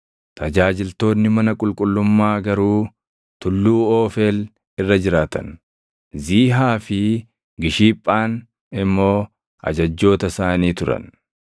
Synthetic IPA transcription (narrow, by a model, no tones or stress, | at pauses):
t̪ɐd͡ʒaːd͡ʒɪlt̪o̞ːnːɪmɐnɐkʼʊlkʼʊlːʊmːaːɡɐɾuː | t̪ʊlːuːoːfeːl | ɪrːɐd͡ʒɪɾaːt̪ɐ̰n | ziːɦaːfɪ | ɡɪʃiːpʼːaːn | ɪmːo̞ː | ɐ̰d͡ʒɐd͡ʒːo̞ːt̪ɐsaːniːt̪ʊɾɐ̰n